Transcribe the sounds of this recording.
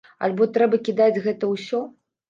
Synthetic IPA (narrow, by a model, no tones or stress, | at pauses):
ɐ̰lʲbɔt̪ɾɛbɐkʲid̪ad͡zʲɣɛt̪ɐwsʲɔ